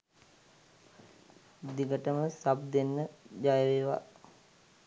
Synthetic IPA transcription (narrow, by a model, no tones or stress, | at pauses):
d̪iɡəʈəməsab̚d̪enːəd͡ʒajəʋeːʋa̰